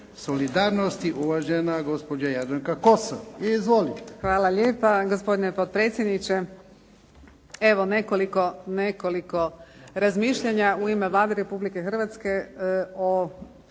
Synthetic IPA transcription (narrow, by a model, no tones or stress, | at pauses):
solid̪aːɾnost̪iʔuʋaʒenaɡo̞spod͡ʒajad̪aŋkakoso̰ʋiizʋolixʋaːlˠaʎeːpaɡospo̞d̪inepod̪̚pɾeːt̪sjed̪nit͡ɕe | eʋo̞ne̞koliko̞nekoliko̞ɾazmiːʃʎaɲauimeʋlˠaːd̪eɾe̞publike̞xr̩ʋat̪ske̞o